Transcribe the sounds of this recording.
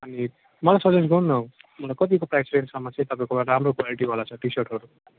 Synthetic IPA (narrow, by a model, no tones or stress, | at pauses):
ʌni | mʌlajsʌd͡zes̬ɡʱʌwnːʌmʌlakʌt̪̬ikopɾajsɾensamːat͡sʰit̪ʌpaĩkoaʈamɾokwaliʈibʱalat͡sʰʌʈisʌɾʈɦʌɾu